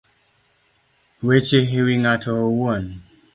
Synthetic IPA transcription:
wet͡ʃeɦiwiŋatʰowɔn

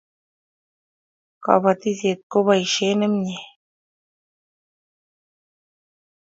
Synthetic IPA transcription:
ka̰βat̪iset̪̚koβajʃenəmɲe

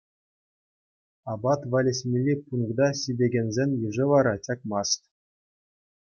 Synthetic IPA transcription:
ɑbɑt̪ʋɑlʲesʲmʲilʲːipunkd̪ɑsʲidʲeɡʲenʲzʲenʲjɯʐɘ̆ʋɑɾɑt͡ɕʲɑkmɑst̪ʲ

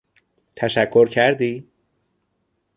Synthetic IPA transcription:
t̪ʰæʃækʰːo̞ɾcʰæɾd̪iː

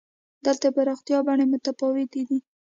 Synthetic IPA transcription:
d̪əlt̪apaɾɑxt̪jɑbaɳemʊt̪afɑwet̪ed̪i

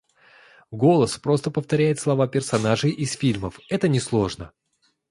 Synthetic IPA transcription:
ɡo̞lˠəspɾo̞st̪əpəft̪ɐɾʲæjɪt̪slˠɐvapʲɪrsɐnaʐɨjʔɪsfʲilʲməfɛt̪ənʲɪslˠo̞ʐnə

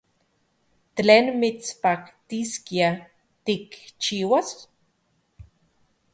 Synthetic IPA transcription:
t̪leːnmit͡spakt̪iskia | t̪ikt͡ʃiːwas

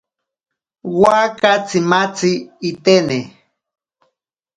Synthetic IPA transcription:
wakat͡simat͡siːt̪ene

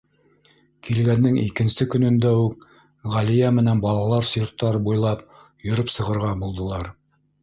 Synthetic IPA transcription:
kʰilɡænːɘŋḭkɘ̆nsɘkɵ̆nɵ̆nd̪æuk | ʁælijæmɘ̆nænbɑlˠɑlˠɑɾsjŏɾt̪ːɑɾbujlˠɑp̚ | jɵ̆ɾɵpsɤ̆ʁɤ̆ɾʁɑbulˠd̪ɤ̆lˠɑɾ

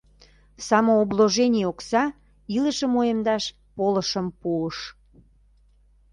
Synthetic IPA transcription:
sɑmoobloʒenʲioksɑ | iləʃəmojəmd̪ɑʃ | poləʃəmpuəʃ

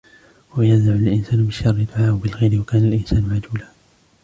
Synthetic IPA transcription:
wwajanzaʕalʔɪnsaːnʊbɪʃːɑrˤːɪd̪ʊʕaːʔwbɪlɣajɾɪwakaːnalʔɪnsaːnʊʕad͡ʒuːlaː

